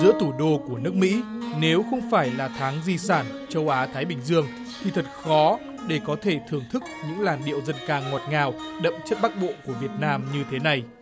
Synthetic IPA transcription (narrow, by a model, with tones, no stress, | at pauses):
zɨ̰˧˥ət̪ʰu˧˩ɗo˧ku˧˩ənɨ˦˥ək̚mḭ˧˥ne˨˦wxə˧wŋ͡mfaː˧˩jlaː˨˩t̪ʰaː˨˦ŋzi˧saː˧˩nt͡ɕə˧wʔaː˨˦t̪ʰaː˨˦jɓï˨˩ŋ̟zɨ˧əŋ | t̪ʰi˨˩t̪ʰə˨˩t̚xɔ˨˦ | ɗe˧˩kɔ˨˦t̪ʰe˧˩t̪ʰɨ˨˩əŋt̪ʰɨ˦˥k̚ɲɨ̰˧˥ŋlaː˨˩nɗḭ˧˨əwzə˧nkaː˧ŋːɔ˨˩t̚ŋaː˨˩wɗə̰˧˨mt͡ɕə˦˥t̚ɓa˦˥k̚ɓo̰˧˨ku˧˩əvi˨˩ət̚naː˧mɲɨ˧t̪ʰe˨˦na˨˩j